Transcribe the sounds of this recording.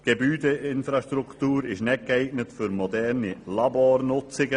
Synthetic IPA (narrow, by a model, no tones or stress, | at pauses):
ɡ̥ebyːdəɪnfɾɑʃtɾuktuːɾɪʃnɛt̚ɡ̥ɛɪɡnətfʏɾmɔdɛɾnilɑboːɾnʊt͡sɪɡə